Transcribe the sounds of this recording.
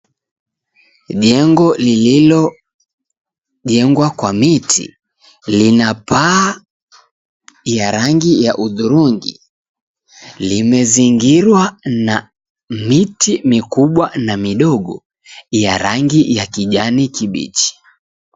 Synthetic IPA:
ʄɛŋɡɔlililɔ | ʄɛŋɡwakwamitʰḭ | linapa | jaɾaŋɡijaʔuðuɾuŋɡḭ | limɛziŋɡiɾwana | mitʰimikuɓwanamiɗɔɠɔ | jaɾaŋɡijakiʄanikiɓḭt͡ʃi̥

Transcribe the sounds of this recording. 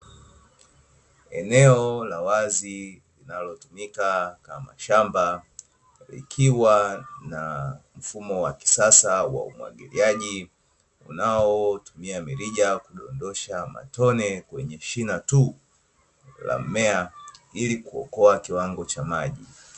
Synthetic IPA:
ɛnɛɔlawazilinalɔtumikakama̰ʃamba | lḭkʰiwanam̩fumɔwaki̥sasawa̰ṵmwa̰ɠiliaʄi | ṵnaɔtumiamiɾiʄakuɗɔndɔʃama̰tɔnɛkwɛɲɛʃinatu | la̰m̩mɛailikuɔ̰kɔakiwaŋɡɔt͡ʃamaʄi

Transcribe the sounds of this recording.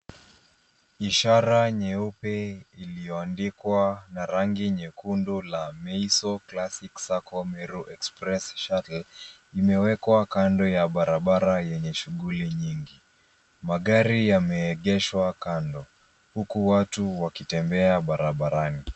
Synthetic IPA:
iʃaɾaɲɛupɛilijɔandikwanaɾaŋɡiɲɛkundulamɛisɔklasiksakɔmɛɾuʔɛkspɾɛsʃatl̩ | imɛwɛkwakandɔjaɓaɾaɓaɾajɛɲɛʃuɠuliɲiŋɡi | maɠaɾijamɛːɠɛʃwakandɔ | hukuwatuwakitɛmbɛaɓaɾaɓaɾani

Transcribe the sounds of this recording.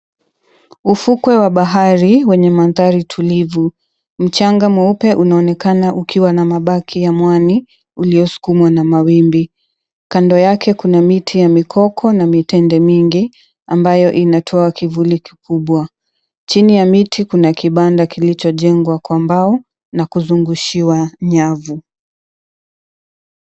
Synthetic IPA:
ufukwɛwaɓaɦaɾiwɛɲɛmanðaɾitʰulivu | m̩t͡ʃaŋɡamwaupɛʔunaɔnɛkanaʔukʰiwanamaɓakʰijamwani | uliɔsu̥kumwanamawimbi | kandɔjakɛkunamitʰijamikʰɔkʰɔnamitɛndɛmiŋɡi | ambajɔʔinatʰɔakivuliki̥kuɓwa | t͡ʃinijamitʰikunakiɓandakilit͡ʃɔʄɛŋɡwakwambaɔ | nakuzuŋɡuʃiwaɲavu

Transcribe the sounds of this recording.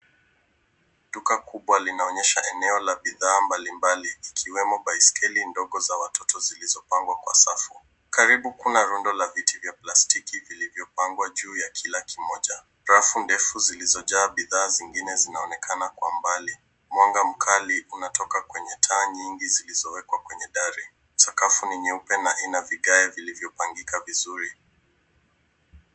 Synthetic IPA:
tukakuɓwalinaɔɲɛʃaʔɛnɛɔlaɓiðaːmbalimbaliːkʰiwɛmɔɓaiskɛlindɔɠɔzawatɔtɔzilizɔpaŋɡwakwa̰safu | kaɾiɓukunaɾundɔlavitʰivjaplastikivilivjɔpaŋɡwaʄuːjakʰilakʰimɔʄa | ɾafundɛfuzilizɔʄaːɓiðaːziŋɡinɛzinaɔnɛkʰanakwambali | mwɔŋɡam̩kʰaliʔunatʰɔkakwɛɲɛtʰaːɲiŋɡizilizɔwɛkwakwɛɲɛɗaɾi | sakafuniɲɛupɛnainaviɠaɛvilivjɔpaŋɡikavizuɾi

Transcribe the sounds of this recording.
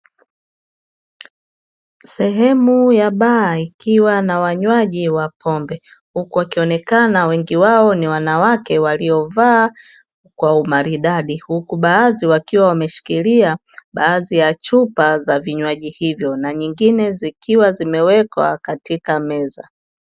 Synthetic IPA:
sɛɦɛmujaɓaːikiwanawaɲwaʄiwapʰɔmbɛ | hukuwakiɔnɛkanawɛŋɡiwaɔniwanawakɛwaliɔvaː | kwaumaɾiɗaɗihukuɓaːziwakiwawamɛʃi̥kilia | ɓaːzijat͡ʃupazaviɲwaʄihivjɔnaɲiŋɡinɛzikiwazimɛwɛkwa̰katikamɛza

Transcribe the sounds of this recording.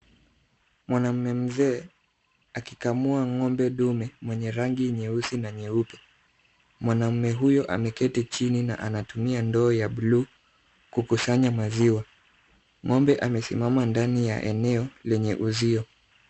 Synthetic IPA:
mwanam̩mɛm̩zɛː | akikamuaŋɔmbɛɗumɛmwɛɲɛɾaŋɡiɲɛusinaɲɛupɛ | mwanam̩mɛɦujɔʔa̰mɛkɛtɛt͡ʃinina̰ʔa̰natumiandɔːjaɓluː | kukusaɲamaziwa | ŋɔmbɛʔamɛsḭmamandanija̰ʔɛ̰nɛɔlɛɲɛʔuziɔ

